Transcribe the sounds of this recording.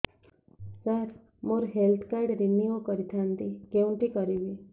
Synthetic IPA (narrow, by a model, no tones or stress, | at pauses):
səɾ | moɾɦelt̪ʰkajɽɾinjikəɾit̪ʰant̪ikeuɳʈ̪ikəɾiʋi